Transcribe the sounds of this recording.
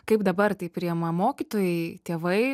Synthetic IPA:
kɐɪpd̪ɐbɐrt̪ɐɪpʲɾʲiɛmɐmoːkʲit̪oːjɛɪt̪ʲeːʋɐɪ

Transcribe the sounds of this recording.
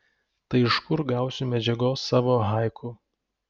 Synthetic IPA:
t̪ɐɪɪʃkʊɾɡɑˑʊsʲʊmʲɛd͡ʒʲɛɡoːsːɑːʋoːɦɑˑɪkʰʊ

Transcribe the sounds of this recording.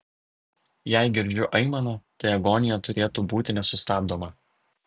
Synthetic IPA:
jæɪɡʲɪɾʲd͡ʒʲʊʔɐɪmɐnoːt̪ɐɪɐɡɔːnʲɪjɛt̪ʊɾʲeːt̪uːbuːt̪ʲɪnʲɛsʊst̪ɑːbd̪oːmɐ

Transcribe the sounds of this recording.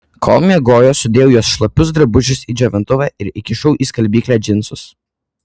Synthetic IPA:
kʰɔ̰lˠmʲɛɡoːjoːsʊd̪ʲeːjɛʊjuɔsʃlˠɐpʲʊsd̪ɾɐbʊʒʲʊsid͡ʒʲoːʋʲɪnt̪ʊʋæːʔɪɾɪkʲɪʃɔʊʔiːskɐlʲbʲiːklʲæːd͡ʒʲɪnsʊs

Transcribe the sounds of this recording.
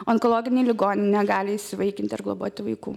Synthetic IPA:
oɔnkoːlˠoːɡʲɪnʲɛɪlʲɪɡoːnʲɪnʲɛɡɑːlʲɪɪʃsʲɪʋɐɪkʲɪnt̪ʲɐrɡlˠobo̰ːt̪ʲɪʋɐɪkuː

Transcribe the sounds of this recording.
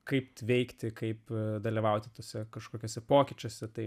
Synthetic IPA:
kɐɪpʋʲɛɪkt̪ʲɪkɐɪpd̪ɐlʲiʋɐʊt̪ʲɪt̪oːsʲɛkɐʃkoːkʲoːsʲɛpoːkʲɪt͡ʃʲoːsʲɛt̪ɐɪ

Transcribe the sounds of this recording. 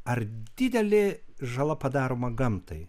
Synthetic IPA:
ɐrd̪ʲɪd̪ʲɛlʲɪʒɐlˠɐpɐd̪ɑːɾoːmɐɡɐmt̪ɐɪ

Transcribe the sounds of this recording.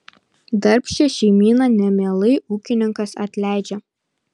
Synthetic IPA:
d̪ɐɾʲpʲʃʲɛʃʲɛɪmʲiːnɐnʲɛmʲeːlˠɐɪuːkʲɪnʲɪŋkɐsɐ̰t̪ʲlʲæˑɪd͡ʒʲɛ

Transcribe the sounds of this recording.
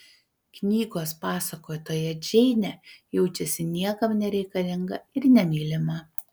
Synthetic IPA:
knʲiːɡoːspɑːsɐkoːjt̪oːjɛd͡ʒʲɛɪnʲɛjɛʊt͡ʃʲɛsʲɪnʲiɛkɐmnʲɛɾʲɛɪkɐlʲɪŋɡɐɪɾnʲɛmʲiːlʲɪmɐ

